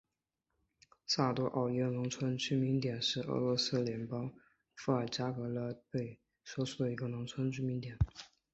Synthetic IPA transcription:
sa˥˩t̪wɔ˥ʔɑ˥˩ʊjɛ˥˩nʊ˧˥ŋt͡sʰwə˥nt͡ɕy˥mi˧˥ŋt̪jɛ˨˩nʂɻ̩˥˩ɤ̰˧˥lwɔ˧˥sɹ̩˥˩ljɛ˧˥npɑ˥ŋ | fu˥a˨˩t͡ɕja˥kɤ˧˥lə˧˥pwe˥˩ɪ | swɔ˥ʂʰu˥˩d̪ə˩i˧˥ɡə˧nʊ˧˥ŋt͡sʰwə˥nt͡ɕy˥mi˧˥nt̪jɛ˨˩˦n

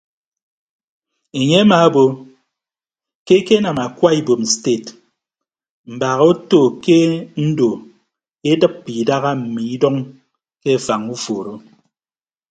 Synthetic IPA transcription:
e˨ɲe˦ma˨˦bo˨ | ke˦ke˦na˨ma˨kwa˦i˨bo˨m˨ste˦˨t | m̩˨ba˨ɣo˦to˦˨ke˦n̩˦do˨ | e˦dɨ˦p̚pi˨da˦ɣa˦m̩˨mi˨i˦dɔ˦ŋ | ke˦˨fa˨ŋu˦foː˨ɾo˦

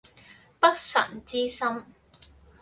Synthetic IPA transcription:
pɐ˥k̚sɐ̰˨˩nt͡siː˥sɐ˥m

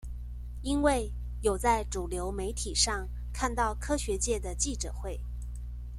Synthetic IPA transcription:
i˥nwe˥˩ɪ | jo˨˩ʊt͡sa˥˩ɪʈ͡ʂu˨˩ljo˧˥ʊme˧˥ɪt̪ʰi˨˩ʂɑ˥˧ŋ | kʰa˥˧nt̪ɑ˥˩ʊkʰɤ˥ɕɥɛ˧˥t͡ɕjɛ˥˩d̪ə˩t͡ɕi˥˩ʈ͡ʂɤ̰˨˩xwe˥˩ɪ

